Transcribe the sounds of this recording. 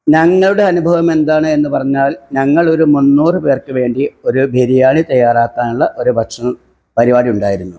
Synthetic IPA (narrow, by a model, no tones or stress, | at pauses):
ɲɐŋːɐɭuɽe̞ɐnubʱɐʋɐme̞nd̪aːɳɨe̞nːɨpɐrɐɲːaːlɲɐŋːɐɭo̞ɾumunːuːrɨpe̞ːrkɨʋe̞ːɳɖio̞ɾubʱeɾijaːɳit̪ɐjːaːraːkːaːnuɭːɐʔo̞ɾubʱɐʂɐm | pɐɾiʋaːɾiuɳɖaːjiɾunːu